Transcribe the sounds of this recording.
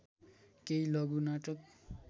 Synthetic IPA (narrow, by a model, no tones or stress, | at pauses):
kejlʌɡunaʈʌk̚